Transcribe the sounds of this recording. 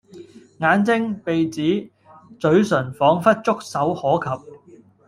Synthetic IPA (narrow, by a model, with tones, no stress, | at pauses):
ŋaː˨˥nt͡sɪ˥ŋpe˨jt͡siː˨˥ | t͡sɵ˨˥ɥsɵ˨˩nfɔː˨˥ŋfɐ˥t̚t͡sʊ˥k̚sɐ˨˥whɔː˨˥kʰɐ˨p̚